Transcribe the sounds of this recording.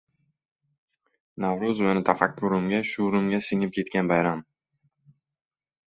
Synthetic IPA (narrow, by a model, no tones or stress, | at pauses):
nawɾʊzmenɪt̪ʰafakʲːʊɾɪmɡʲaʃʊɾɪmɡʲasɪŋɪp̚kʲʰe̞t̪kʲanbajɾam